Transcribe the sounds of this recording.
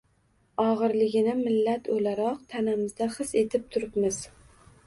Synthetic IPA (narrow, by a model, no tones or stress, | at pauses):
ɒʁɨɾlɪɡʲɪnɪmɪlːat̪ʰolaɾɒqt̪ʰanamɪzd̪aχɨse̞t̪ʰɪp̚t̪ʰʊɾɪpmɪz̥